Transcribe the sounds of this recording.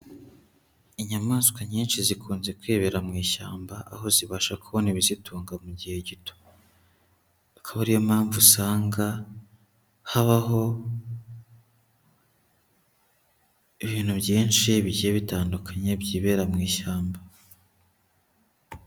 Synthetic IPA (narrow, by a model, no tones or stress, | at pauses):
iɲamaskwaɲiːnʃizikʰuːnze̞kweːβe̞ɾamŋiːʃa̰ːmbaʔa̰ɦo̞ziβaʃakuβoniβizitʰuːŋɡamuɟihe̞ɟito̥ | akʰaβaɾijomaːɱvusaːŋɡa | haβaɦo̞ | iβiːn̥hubɟiːnʃiβiɟijeβitaːndukʰaɲebɟiːβe̞ːɾamŋiːʃaːmba